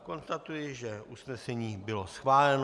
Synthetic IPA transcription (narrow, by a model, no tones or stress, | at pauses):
ko̞nst̪at̪ujɪʒɛʔusnɛsɛɲiːbɪlo̞sxvaːlɛn